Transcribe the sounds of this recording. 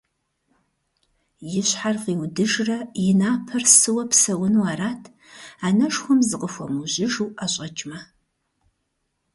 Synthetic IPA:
jɪɕħarqiːwdɨʒrɐjɪnaːpʰɐrsɨwɐpsɐwʊnuwaːɾaːtʰ | aːnɐʂxʷɔmzɨqəxʷɔmuʑɪʒuwʔaɕʼɐt͡ʃʼmɐ

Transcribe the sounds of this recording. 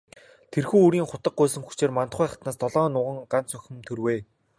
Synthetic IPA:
t̪ʰerxuːuɾiːŋχʊt̪ə̆q̚ɢʊːs̬ə̆ŋxut͡ɕeːrman̥t̪χʊːjχḁt̪naːst̪ɔɮɔːnʊːʁə̆ŋɢan̥t͡sœxʲɪ̆mt̪ʰɵrweː

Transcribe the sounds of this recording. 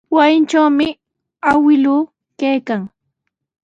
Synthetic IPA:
wasɪnt͡ʃawmɪ | awɪluː | kajkaŋ

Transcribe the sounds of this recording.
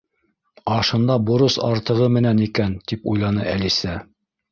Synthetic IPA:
ɑʃɤ̆nd̪ɑboɾɤsɑɾt̪ɤ̆ʁɤmɘ̆nænikænt̪ipṵjlˠɑnɤælisæ

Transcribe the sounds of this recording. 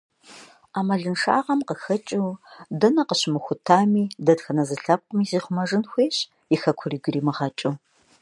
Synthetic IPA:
aːmɐɮɨnʂa̰ːʁɐmqəxɐt͡ʃʼɪwdɐnɐqəɕmɨxʷʊtʰaːmiːdɐdxɐnɐzɨɬɐp̚qʷʼʊmiːziːχʷʊmɐʐɨnxʷeːɕ | ixɐkʷʰʊriːɡʷɪriːmɨʁɐt͡ʃʼɨw

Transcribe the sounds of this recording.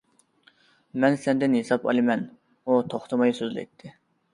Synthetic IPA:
mɛnsɛnd̪ɪnhesɑpɑ̰lˠɨmɛn | ut̪ʰoχt̪ʰɨmɑjsøzlɛ̰jt̪ʰːɪ

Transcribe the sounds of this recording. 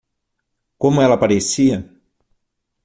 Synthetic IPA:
komuɛlɐpaɾesiɐ

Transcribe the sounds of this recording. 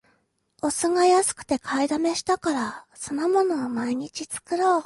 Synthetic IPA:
o̞sɨŋajasɨ̥kɯ̟̥t̪e̞kʰaid̪ame̞ɕi̥t̪akaɾaso̞nomo̞no̞ːmaiɲ̟it͡ɕit͡sɨ̥kɯ̟ɾo̞ː

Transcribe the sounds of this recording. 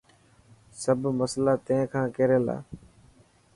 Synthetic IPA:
səbʱməslaːt̪ẽkʰãːkeːɾeːla̰ː

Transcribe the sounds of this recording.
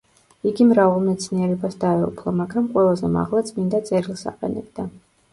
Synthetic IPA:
iɡimɾavalˠmɛt̪sʰniɛɾɛbasd̪aɛṵpʰlˠɔmaɡɾamqʼwɛlˠazɛma̰ʁlˠat̪sʼmind̪at̪sʼɛɾilˠsa̰qʼɛ̰nɛb̚d̪a

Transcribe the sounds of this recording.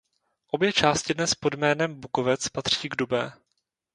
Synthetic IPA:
ʔo̞bjɛt͡ʃaːscɪdnɛspo̞dmɛːnɛmbukovɛt͡spat̪r̝̥iːɡdubɛː

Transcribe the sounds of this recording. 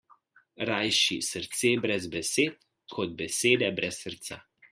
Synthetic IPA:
ɾajʃisəɾt̪seːbɾɛzbɛseːt̪̚ | kʰɔd̪̚bɛseːd̪ɛbɾʔɛsːəɾt̪sa̰

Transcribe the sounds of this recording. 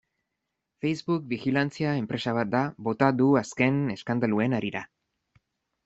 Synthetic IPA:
fejzβuk̚bixilant͡siaempɾe̞saβat̪̚d̪aβo̞t̪aðuaske̞ne̞skand̪alue̞naɾiɾa

